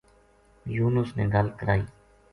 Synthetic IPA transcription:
juːnʊsneːɡəlkəɾaːiː

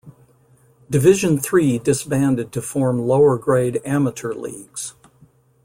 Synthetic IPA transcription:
d̥ɨvɪʒɨ̃nθɹidɨsb̥æ̃ndɨd̚tʰɨfɔɹmloʊə˞ɡɹeɪɾæməɾʰə˞lḭɡ̥z̥

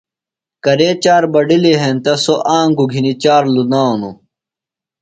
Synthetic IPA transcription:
kɐɾet͡ɕaːɾbɐɖileɦent̪ɐsoʔaːŋɡuɡʱinit͡ɕaːɾlunaːnu

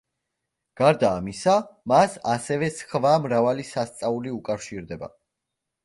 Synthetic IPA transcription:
ɡ̥aɾd̪aːmisamasasɛvɛskvamɾavalisast̪sʼauliukʼafʃiɾd̪ɛba̰

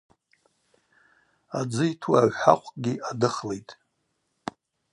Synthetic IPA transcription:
ad͡zɨitʰuaʒʷħa̰qʷʼɡʲiadɨχlejtʼ

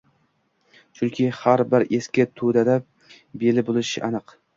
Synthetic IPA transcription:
t͡ʃʰʊŋkʲʰɪhaɾbɪɾeskʲat̪ʰud̪ad̪a | belɪbolˠɪʃɪʔanɨq

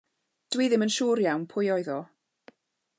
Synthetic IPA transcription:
d̥wiːðɪmənʃuːɾjawnpʰʊjɔjðɔ

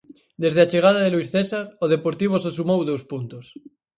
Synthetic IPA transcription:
d̪ezð̞eat͡ʃeɣ̞að̞aðeluisθesaɾoð̞epoɾt̪iβ̞osesumowðowspunt̪os

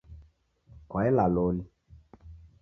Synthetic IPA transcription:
kɔɛlaloli

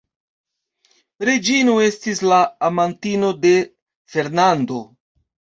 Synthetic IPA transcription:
ɾe̞d͡ʒinue̞stislaːmantino̞de̞ | fe̞ɾnando̞

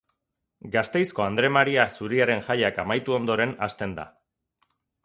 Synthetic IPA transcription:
ɡast̪e̞jsko̞and̪ɾe̞maɾiasuɾiaɾe̞nʝajakamajt̪uo̞nd̪o̞ɾe̞na̰st̪e̞nd̪a̰

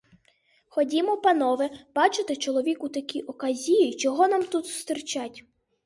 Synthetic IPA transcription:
xɔdʲimɔpɐnɔʋɛb̥ɑt͡ʃɪt̪ɪt͡ʃɔlˠɔʋʲikut̪ɐkʲiʔɔkɐzʲijit͡ʃɔɦɔnamt̪ut̪sʊ̥st̪ɪɾt͡ʃatʲ

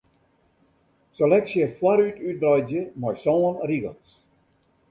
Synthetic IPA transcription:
selɛksjəfwaɾytyt̚drɔjzjəmɔjsɔːənriɡəns

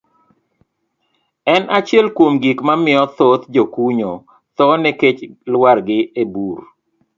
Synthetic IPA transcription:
ɛnʔat͡ʃɛlkwomɡikmamɪɔt̪ot̪d͡ʒokuɲo | t̪ɔnɛket͡ʃlwarɡɪebur

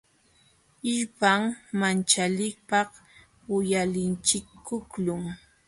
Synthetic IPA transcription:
ɪʎpaŋmant͡ʃalɪk̚pɑχ | wɪjalɪnt͡ʃɪkːʊklʊŋ

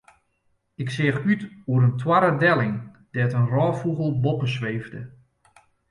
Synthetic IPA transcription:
ɪksɪəxytuəɾəntʰwaɾədɛlˠɪŋ | d̥ɛtənrɔːfuɣəlˠbɔpəsʋeːvdə

